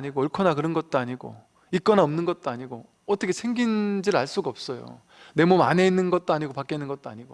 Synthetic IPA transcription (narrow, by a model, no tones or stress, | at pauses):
ɲiɡoʌɭkʰʌnakɯɾʌnɡʌt̚t͈oaɲiɡo̰ | ik͈ʌnaʌmnɯnɡʌt̚t͈oaɲiɡo | ʌt͈ʰʌkʰesʰe̞ŋɡind͡ʑiɾɭaɭs͈uɡʌp̚s͈ʌjo̰ | ne̞moma̰ne̞inːɯnɡʌt̚t͈oaɲiɡopak͈einːɯnɡʌt̚t͈oa̰ɲiɡo̰